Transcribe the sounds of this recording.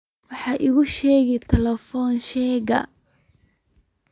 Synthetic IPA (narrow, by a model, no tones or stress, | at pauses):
wɑħɑːʔɪɣʊʃɛːɣɛt̪ʰɐlɛfɔːnʃɛːɣɐ̰